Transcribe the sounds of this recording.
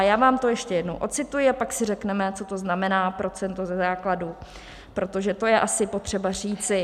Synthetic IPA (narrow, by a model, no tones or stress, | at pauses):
jaːvaːmt̪o̞jɛʃcɛjɛdnowʔo̞t͡sɪt̪ujɪapaksɪrɛknɛmɛt͡so̞t̪o̞znamɛnaːpɾo̞t͡sɛnt̪ozɛzaːkladu | pɾo̞t̪o̞ʒɛt̪o̞jɛʔasɪpo̞t̪r̥ɛbariːt͡sɪ